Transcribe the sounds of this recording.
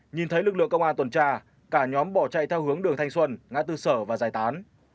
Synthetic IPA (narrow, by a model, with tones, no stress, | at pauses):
ɲi˨˩nt̪ʰə˨˦jlɨ˨˩k̚lɨ̰˧˨əŋkə˧wŋ͡mʔaː˧nt̪wə˨˩nt͡ɕaː˧ | kaː˧˩ɲɔ˨˦mɓɔ˧˩t͡ɕa̰˧˨jt̪ʰɛ˧whɨ˨˦əŋɗɨ˨˩əŋt̪ʰa˧jŋswə˧nŋa̰ː˧˥t̪ɨ˧səː˧˩vaː˨˩zaː˨˩jt̪aː˨˦n